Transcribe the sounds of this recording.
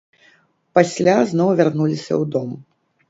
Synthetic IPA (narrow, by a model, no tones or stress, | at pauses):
pasʲlʲaznɔwvʲarnulʲisʲɐ̰wd̪ɔm